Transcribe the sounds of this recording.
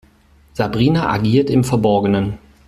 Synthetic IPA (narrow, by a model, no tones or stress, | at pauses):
z̥abʁiːnaʔa̰ɡiːɐtɪmfɛɐbɔɐɡənən